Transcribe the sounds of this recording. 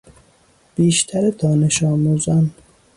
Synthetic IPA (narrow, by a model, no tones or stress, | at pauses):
b̥iːʃt̪ʰæɾed̪ɒːneʃɒːmuːzɒn